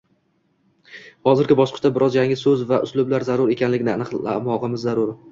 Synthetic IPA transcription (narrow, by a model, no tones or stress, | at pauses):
hɒzɪɾɡʲɪbɒʃqʰɨ̥t͡ʃt̪abɪɾʔɒzjaŋɪsɵzvaʔʊslʊblaɾzaɾʊɾe̞kʲʰanlɪɡʲɪnɪanɨqa̰mɒʁɨmɪzːaɾʊɾ